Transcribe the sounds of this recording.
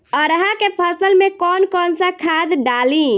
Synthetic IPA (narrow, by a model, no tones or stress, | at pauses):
ɔɾɦãkepʰəsəlmẽkɔːnkɔnsə̃kʰad̪ɖalĩ